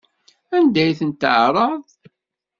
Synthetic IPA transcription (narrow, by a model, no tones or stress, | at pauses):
ænd̪æjθənt̪əʕɾˤɑðˤ